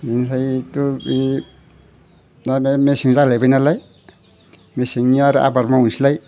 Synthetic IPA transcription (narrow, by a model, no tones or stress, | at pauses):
insajt̪ui | namemesiŋzalajbajnalaj | mesiŋaɾʔa̰baɾmaunsilaj